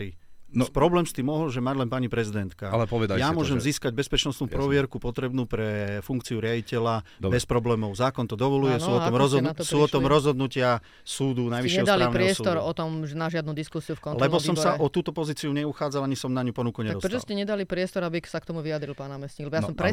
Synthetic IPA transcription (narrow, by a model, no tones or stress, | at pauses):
ipɾɔblɛːmst̪imːɔɦɔlʒɛmaɟlɛnpaɲipɾɛzid̪ɛnt̪kaalɛpɔʋɛd̪ajammʊɔʒɛmziːskaɟ̚bɛspɛt͡ʃnɔst̪nuːpɾɔʋɪɛɾkupɔt̪ɾɛbnuːpɾɛfuŋkt͡siuɾɪaɟicɛlabbɛspɾɔblɛːmɔʊzaːkɔnt̪ɔd̪ɔʋɔlujɛsuɔɔmɾɔzɦd̪nsuːɔt̪ɔmɾɔzɦɔd̪nucɪa | suːd̪unajʋiʃɪɛɦɔd̪apliaːnpɾɛɪɛst̪ɔɾɔt̪ɔmʒnaʒɪad̪nud̪iskusiufkɔnlɛlbɔsiɔmsaʔɔt̪uːt̪ɔpɔziːt͡siuɲɛuxaːd͡zalaɲisɔmnaɲupɔnukɔɲɛdɔspɾɛt͡ʃɔstɛɲɛd̪alipɾɪɛst̪ɔɾabisakt̪ɔmuʋiad̪ɾilpaːnamɛsɲiːklɛbɔjaɔmɾɛ